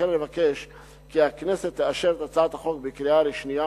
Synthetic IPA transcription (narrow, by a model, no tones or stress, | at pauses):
enlevakeʃ | kiakneset̪ːeaʃeɾt̪at͡sat̪haχo̞k̚bekɾialeʃnija